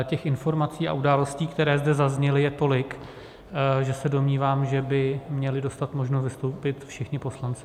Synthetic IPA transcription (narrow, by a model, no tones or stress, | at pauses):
cɛxɪnfo̞ɾmat͡siːa̰ʔudaːlo̞sciːkt̪ɛɾɛːzdɛzazɲɛlɪjɛt̪o̞lɪk | ʒɛsɛdo̞mɲiːvaːmʒɛbɪmɲɛlɪdo̞st̪at̪mo̞ʒnosvɪst̪owpɪt̪fʃɪxɲɪpo̞slant͡sɪ̥